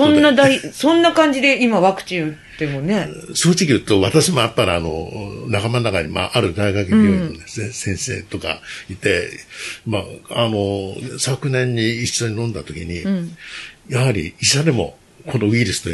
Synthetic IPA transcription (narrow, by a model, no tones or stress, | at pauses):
sõnːad̪aisõ̞nːakãɲ̟d͡ʑid̪e̞imaβakɯ̟̥t͡ɕĩt̪ːemone̞so̞ːt͡ɕikʲiɯ̟t̪o̞βat̪aɕimo̞japːaɾʲiano̰nakamanːakaɲima̰ʔaɾɯ̟d̪aiɡakeɲiononesesẽ̞ɰ̃se̞̰ːt̪o̞ka̰it̪e̞ | maano̞sakɯ̟nẽ̞ɲ̟ːiiɕo̞ɲ̟inõ̞nd̪at̪o̞kʲiɲ̟i | jahaɾʲḭiɕad̪e̞mo̞̰ | kʰo̞no̞βiɾɯ̟sɨ̥t̪o